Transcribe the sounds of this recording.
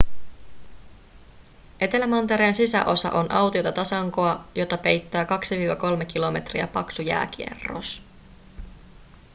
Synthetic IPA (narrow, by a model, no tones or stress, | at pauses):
ʔe̞t̪e̞læmɑnt̪eɾeːnsisæ̰ʔo̞sɑ̰ʔo̞nʔɑwt̪io̞t̪ɑt̪ɑsɑŋko̞ɑjo̞t̪ɑpe̞jt̪ːæːkɑksiʋiːʋɑko̞lmekilo̞me̞t̪riæ̰pɑksujæ̰ːk̟iḛrːo̞̰s